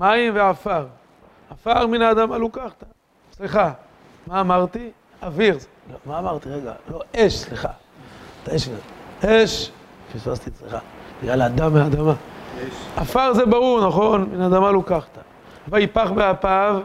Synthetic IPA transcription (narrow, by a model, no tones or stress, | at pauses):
majimveʕafaʁ | afaʁminaːd̪amalukaχt̪a | sliχa | maːmaʁt̪i | aviʁzelomaːmaʁt̪iʁeɡa̰lo̞ʔeʃsliχa̰ | t̪aeʃvezeeʃfispast̪isliχabeɡlalad̪amead̪ama | afaʁzebaʁuʁnaχo̞nminaːd̪amalukaχt̪ḁ | vaipaχbeapav